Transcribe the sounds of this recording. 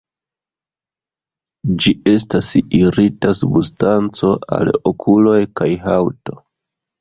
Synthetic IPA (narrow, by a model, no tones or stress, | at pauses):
d͡ʒie̞s̬tasiɾitasubustant͡so̞a̰lokʰulo̞jkajɦawto̞